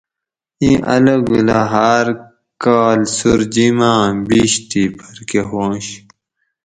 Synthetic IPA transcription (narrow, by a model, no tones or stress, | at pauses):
ĩʔɐ̰ləɡulaɦaːɾ | kaːlsuɾd͡ʑimãːbiɕt̪ipʰɐɾkeɦoːɕ